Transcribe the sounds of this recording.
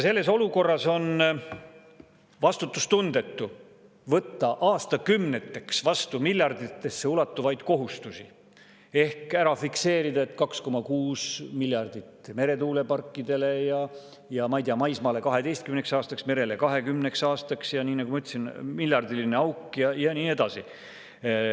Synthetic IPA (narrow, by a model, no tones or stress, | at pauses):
jse̞lːe̞so̞luko̞rːɑso̞n | vɑst̪ut̪ːˑust̪und̪̥e̞t̪ːu | vɤt̪ːɑʔɑːst̪ɑkymnet̪ːˑe̞ksvɑst̪umilʲjɑrd̪̥it̪ːˑe̞sːe̞ulɑt̪ːˑuvɑjd̪̥ko̞ɦust̪usi | e̞hkæɾɑfikse̞ːɾid̪ɑe̞t̪ːkɑksko̞mɑkuːsmilʲjɑrd̪̥it̪ːme̞ɾe̞t̪uːle̞pɑrkːid̪̥e̞le̞jɑ | jɑmɑjt̪iɑmɑjsmɑːle̞kɑɦe̞d̪e̞jst̪̚kymneksɑːst̪ɑksme̞ɾe̞le̞kɑɦe̞kymne̞ksɑːst̪ɑksjɑniːnɑɡumɑyt̪ːsinmiljɑrd̪ilineɑwkjɑjɑniːe̞d̪̥ɑsi